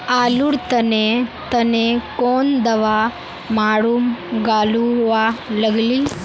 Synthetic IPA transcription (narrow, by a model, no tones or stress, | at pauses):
aːluɽt̪ɐnet̪ɐnekoːnd̪ɐʋa | maːɽumɡaːluʋalɐɡli